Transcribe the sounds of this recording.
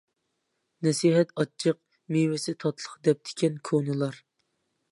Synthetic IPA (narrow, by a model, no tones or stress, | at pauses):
nɛsiɦɛt̪ɑt͡ʃʰːəq̚ | miwɪsɪt̪ʰɑt̪ʰlˠəχd̪ɛp̚d̪̥ʰɪ̥kʲʰɛnkʰonɨlˠɑɾ